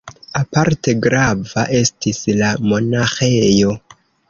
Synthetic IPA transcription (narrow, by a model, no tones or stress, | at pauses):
apaɾte̞ɡɾavaʔe̞stislamo̞naxe̞jo̞